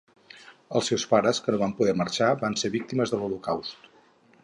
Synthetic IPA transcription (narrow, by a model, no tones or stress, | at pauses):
ə̰lˠsewspaɾəskənoβampuðɛɾməɾʃaβanseɾβik̚t̪iməzðəlulukawst̪